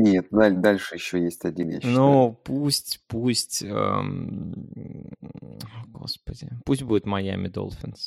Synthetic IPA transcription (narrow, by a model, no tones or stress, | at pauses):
nʲet̪̚d̪ad̪alʲʂɨjɪɕːojesʲtʲɐdʲivʲḛɕnːupusʲtʲpusʲtʲə | ɡo̞̰spədʲɪ̰pusʲtʲbudʲɪt̪mɐja̰mʲɪd̪o̰lˠfʲɪns